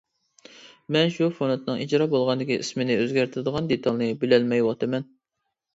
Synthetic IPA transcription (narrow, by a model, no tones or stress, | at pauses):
mɛnʃufonɛt̪nɨŋid͡ʒɾɑbolˠʁɑnd̪ɪkʲiʔḭsmɪnɪøzɡʲæɾt̪ʰɪɾd̪əʁɑnd̪et̪ʰɑlˠnɨbɪlɛlmɛjwɑt̪ʰɨmɛn